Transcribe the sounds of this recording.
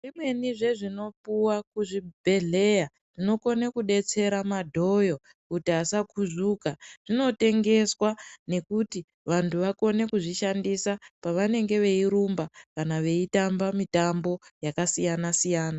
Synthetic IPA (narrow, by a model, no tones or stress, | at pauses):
ʐimwe̞niʐe̞ʐino̞puwakuʐibʱe̞ɮe̞ja | ʐino̞ko̞nekuɗe̞t͡se̞ɾamadʱo̞jo̞ | kutiasakuʐuːkaʐ̥ino̞te̞ŋɡe̞swane̞kuti | ʋantʰuʋako̞ne̞kuʐiʃandisapaʋane̞ŋɡe̞ʋe̞iɾumbakanaʋe̞itambamitambo̞jakasijanasijaːna